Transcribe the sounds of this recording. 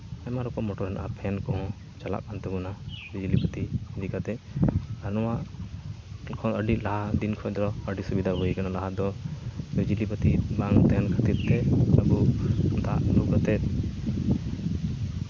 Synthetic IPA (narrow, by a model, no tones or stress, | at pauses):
ɛmaɾɔkɔmɔʈɔɾɛnaʔapʰɛnkɔɦɔ̃ | t͡ʃala̰ʔkant̪ɛɡunabid͡ʒlipət̪id̪ikat̪ɛənɔwaʔ | kʰɔəɖilaɦad̪inkʰɔ̃d̪ɾɔəɖisubid̪ʱabuikanalaɦad̪ɔbid͡ʒilipət̪ibaŋt̪ɛnkʰət̪iɾt̪ɛəbud̪aʔluɡat̪ɛt̪̚